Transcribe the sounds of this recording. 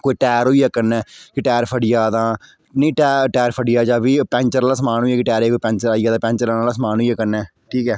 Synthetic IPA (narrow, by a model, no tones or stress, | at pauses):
koːiːʈɛːɾɦoːiːaːkəɾnɛːkɪʈɛːɾpʰəɖɪjaːd̪ãː | nĩːʈɛːʈɛːɾpʰəɖɪjaːd͡ʒaːbiːpɛ̃ːɲt͡ʃəɾaːlaːsəmaːnɦoːiɛːkɪʈɛːɾeːkoiːpɛ̃ːɲt͡ʃəɾaːijaːd̪ãːpɛ̃ːɲt͡ʃəɾaːnaːlaːsəmaːnɦoːijaːkəɾnɛː | ʈʰiːkɛː